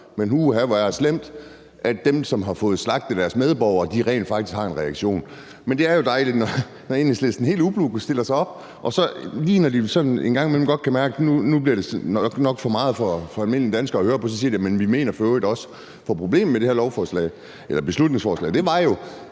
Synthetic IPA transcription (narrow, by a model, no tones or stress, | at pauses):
menɦuɦæʋæɐslem̰d̥ | ʔædd̥emsɒ̽mɦɑ̈fɔ̽ːð̞̩ˠslɑ̈ɡ̥̚d̥əd̥æɐsmeð̞ˠb̥ɒʊɐd̥iʁɛ̰ɪnd̥fɑ̈ɡ̥̚t͡sʰi̥sɡhɑ̈e̝nʁɛɑ̈ɡ̥ɕo̝̰ːn | mend̥e̝æɐjo̝d̥ɑ̈ɪliɡ̥nɒ | nɒe̝ːnisleðsd̥enɦe̝̰ːləub̥luɡusd̥e̝l̰ɐsɑ̈ɪɒ̽b̥̚ | ʔɒ̽sɒ̽liːnɒdisɒ̽nnenɡ̥ɑ̈ŋ̰imelm̩ɡ̥ɒ̽d̥̚kʰæmæɐɡ̥ənunub̥liɐɾ̥e̝sɡ̥nɒ̽ɡ̥fɒ̽mɑ̈ːð̞̩ˠfɒ̽fɒ̽ælme̝n̰liəd̥ænsɡ̥ɐːhøːɐpʰɒ̽s̬ɒsḭɐd̥iæmenʋime̝̰ːnɐføʊidɒ̽s | fɒpʰʁo̝b̥le̝̰ːm̩mede̝hæɐlɒʊfɒːslɛ̰ɪ̰ | elɐb̥e̝slud̥ne̝ŋsfɒːslɛ̰ɪd̥e̝ʋɑ̈jo̝